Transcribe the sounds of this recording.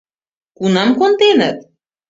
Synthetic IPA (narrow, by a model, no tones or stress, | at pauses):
kunɑmkont̪enət̪̚